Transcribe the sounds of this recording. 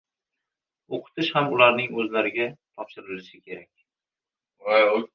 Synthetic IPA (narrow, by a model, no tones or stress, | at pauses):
oqʰɨ̥t̪ʰɪʃhamʊlaɾnɪŋɵzlaɾɪɡʲat̪ʰɒpʃɪɾɪlɪʃɪkʲʰe̞ɾak̚ʲ | a